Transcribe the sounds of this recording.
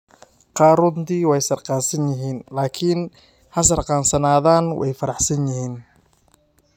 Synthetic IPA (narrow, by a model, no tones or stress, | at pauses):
qɑːɾʊnt̪iːwɛjsɐrqɑːnsɐnjɪɦiːnlaːkʰin | hɐs̬ɐrqɑːnsɐnaːðaːnwɛ̰jfɐɾɑħsɐnjɪɦiːn